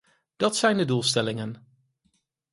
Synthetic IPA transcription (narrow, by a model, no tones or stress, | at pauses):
d̥ɑtsɛjndədulˠstɛlɪŋən